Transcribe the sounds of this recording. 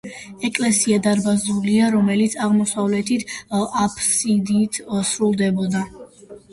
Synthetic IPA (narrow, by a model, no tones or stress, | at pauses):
ɛkʼlɛsiad̪aɾbazuliaɾɔmɛlit̪sʰaʁmɔsavlɛt̪ʰit̪ʰapʰsid̪iːt̪ʰsɾulˠd̪ɛbɔd̪a